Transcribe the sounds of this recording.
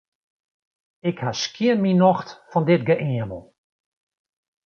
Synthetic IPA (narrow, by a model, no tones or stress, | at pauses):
ɪkhaskiənminɔxtfɔndɪtɡəʔiəmə̰lˠ